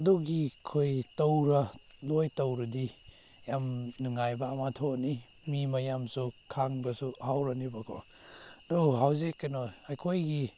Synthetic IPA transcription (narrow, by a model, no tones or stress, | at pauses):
duɡikʰojtowɾɐ | lojtowɾɐdi | jamnuŋajbɐːmatʰoni | mimɐjamsukʰaŋbɐsuhawɾɐnibɐkʰo̰ | doɦawzekːɐnoajkʰojɡi